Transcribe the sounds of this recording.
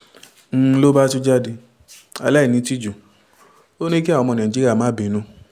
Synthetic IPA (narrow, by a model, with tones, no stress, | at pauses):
n̩˧˦lo˦ba˦tu˦d͡ʒa˦di˧ | a̰˧˨la˦i˦˨nĩ˧˦ti˦d͡ʒu˨ | o˦nĩ˦ki˦a˦˨ɔ˧mɔ̃˧nã˨d͡ʒi˦ɾa˦˨mãː˨˦bi˨˦nũ˧